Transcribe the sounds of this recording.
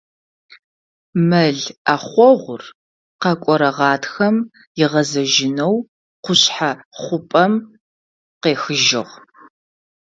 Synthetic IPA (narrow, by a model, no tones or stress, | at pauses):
mɐɮaχʷɔʁʷʊr | qɐkʷʼɔɾɐʁɑːtʰxɐm | jɪʁɐzɐʒɪnɐw | qʷʊɕħaχʷʊpʼɐm | qeːxɨʒɪ̰ʁ